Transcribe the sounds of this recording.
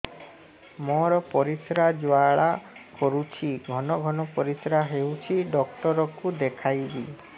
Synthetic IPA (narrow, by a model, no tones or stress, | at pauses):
mɔɾɔpɔɾisɾad͡ʒwaɭakɔɾut͡ʃʰiɡʱɔnɔɡʱɔnɔpɔɾisɾaɦewt͡ʃʰiɖɔkʈɔɾɔkud̪ekʰajbi